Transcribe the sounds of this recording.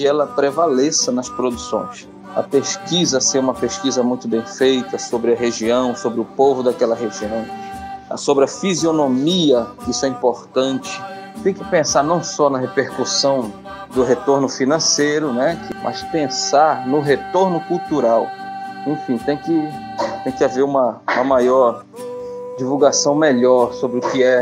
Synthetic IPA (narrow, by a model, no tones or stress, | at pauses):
ɪɛlɐpɾevalesɐnɐspɾod̪usõ̰j̃s | ɐ̰peʃkizɐsẽũmɐpeʃkizɐmũj̃t̪ʊbẽj̃fejt̪ɐsobɾɪɐɦeʒiɐ̃w̃sobɾɪʊpovʊd̪akɛlɐɦeʒiɐ̃w̃ɐ̰sobɾɪɐfizionomiɐkɪisʊɛĩmpoɾt̪ɐ̃t͡ʃɪ̥ | t̪ẽj̃kɪ̥pẽsaɾnɐ̃w̃sɔnɐɦepeɾkusɐ̃w̃ | d̪ʊɦet̪oɾnʊfinɐ̃sejɾʊnɛkɪmʔɐ̰spẽsaɾnʊɦet̪oɾnʊkuwt̪uɾawẽfĩt̪ẽj̃kɪ | t̪ẽj̃kɪaveɾũmɐũmɐmajɔɾ | d͡ʒivuwɡasɐ̃w̃meʎɔɾsobɾɪʊkɪɛ